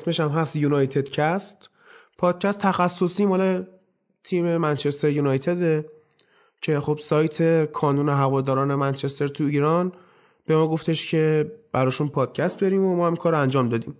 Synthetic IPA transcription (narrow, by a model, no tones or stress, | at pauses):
sme̞ʃæmɦæst̪junɒjt̪ʰed̪̥cʰæst̪ | pʰɒːd̪̥̚cʰæst̪ʰːæxæsːo̞siːmɒːle | t̪ʰiːmemænt͡ʃʰest̪eɾjunɒjt̪ʰed̪e | cʰe̞χo̞bsɒːjt̪ʰe̞kʰɒːnune̞ɦævɒːd̪ɒːɾɒːnemænt͡ʃʰe̞st̪e̞ɾt̪ʰuiːɾɒn | b̥e̞mɒːɡo̞ft̪ʰe̞ʃcʰe̞b̥æɾɒːʃunpʰɒːd̪̥̚cʰæst̪̚beɾiːmomɒːhæmkʰɒːɾænd͡ʒɒːmd̪ɒːd̪iːm